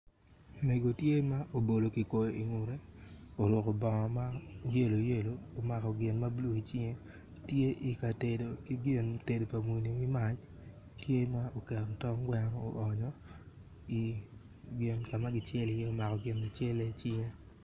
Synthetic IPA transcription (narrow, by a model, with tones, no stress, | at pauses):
me˨ɡo˨tje˦ma˦ʔo˨bo˨lo˨ki˨ko˨jo˨ʔi˨ŋu˨ɾe˦o˨ɾʊ˨kɔ˨bɔ˨ŋɔ˨ma˦je˦lo˨je˦loː˨ma˨kɔ˨ɡɪ˨nma˦blu˦˨i˨t͡ʃɪ˦ŋe˦ | tje˦ʔi˨ka˨te˨do˨ki˦ɡɪ˦˨nte˨do˨pa˨mwo˨ni˨wi˦ma˦t͡ʃ | tje˦ma˦o˨kɛ˨ɾɔ˨tɔ˦ŋɡwɛ˦ŋ˦o˨ʔɔ˨ɲɔ˦ | i˨ | ɡɪ˨nka˨ma˦ɡɪ˦t͡ʃjɛ˦lɪ˨je˦o˦ma˨kɔ˨ɡɪ˨nɡɪ˨t͡ʃe˦le˦t͡ʃɪ˦ŋe˦